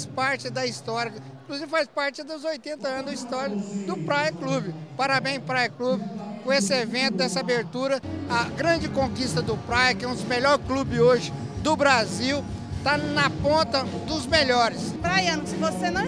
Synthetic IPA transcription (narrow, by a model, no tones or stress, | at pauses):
spaɾt͡ʃɪd̪ɐist̪ɔɾjɐĩkluzivɪfaspaɾt͡ʃɪd̪ʊzojt̪ẽnt̪ɐɐ̃nzɐist̪ɔɾɐd̪ʊpɾajɐklubɪpaɾabẽj̃zpɾajɐklubɪfojesɪevẽnt̪ʊd̪ɛsɐabeɾt̪uɾɐɐɡɾɐ̃d͡ʒɪkõkist̪ɐd̪ʊpɾajɐkɛũd̪ʊzmeʎɔɾklubɪoʒɪ | d̪ʊbɾaziw | t̪anɐpõnt̪ɐ | d̪ʊzmeʎɔɾɪspɾajɐ̃nʊsɪvosenɐ̃